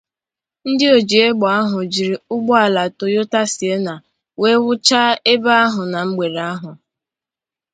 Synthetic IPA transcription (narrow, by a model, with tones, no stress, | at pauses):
n̩˦dɪ˦o˨d͡ʒi˨e˦ɡ͡bɔ˨a˦ɦʊ˨d͡ʒi˨ɾi˨ʊ˦ɡ͡bɔ˦a˨la˨to˨jo˦ta˦si˨e˦na˨ | we˦wʊ˦t͡ʃa˦e˦ba˦a˦ɦʊ˨na˨ŋ͡m̩˦ɡ͡be˨ɾe˨a˦ɦʊ˨